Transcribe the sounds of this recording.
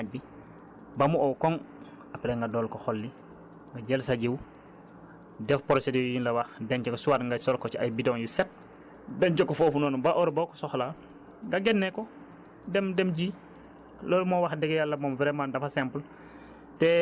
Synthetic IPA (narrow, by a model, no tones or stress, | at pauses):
aɟ̚bi | bamuowkɔŋ | apɛleŋɡadɔːlkɔxɔlːi | ŋɡaɟɛlsaɟiw | dɛfpɔɾɔsedijinlɐwaxdɛɲt͡ʃɛkɔsuwatŋɡasɔlkɔt͡ʃia̰jbidɔŋjusɛt̚ | dɛɲt͡ʃokːɔfɔːfunɔːnbaʔɔɾbawkɔ̥sɔxla | ŋɡaɡɛnːɛkɔ | dɛmdɛmɟi | loːlmɔwaxdɛɡɛjalːɐmɔmvɾɛmaːndɐfasɛmpl | tɛ